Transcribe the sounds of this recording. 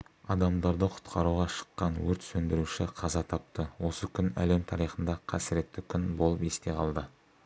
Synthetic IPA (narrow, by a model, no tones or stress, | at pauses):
ɑd̪ɑmd̪ɑɾd̪əqʰʊ̥t̪qʰɑɾuʁɑʃə̥qːɑnwɵɾt̪sɵnd̪ɪɾuʃɪqʰɑzɑt̪ʰɑp̚t̪əwo̞səkʲʰʏnæ̰le̞mt̪ʰɑɾijχənd̪ɑqʰɑsɪɾe̞t̪ːɪkʲʰʏnbolˠəpe̞st̪e̞qʰɑlˠd̪ə